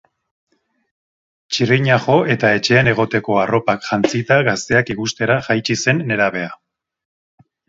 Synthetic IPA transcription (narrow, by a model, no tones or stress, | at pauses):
t͡ʃiriɲaʝo̞ʔe̞t̪ae̞t͡ʃe̞ːne̞ɣ̞o̞t̪e̞ko̞aro̞pakʝant͡sit̪aɣast̪e̞akiɣust̪e̞ɾaʝajt͡ʃise̞nːe̞ɾaβe̞a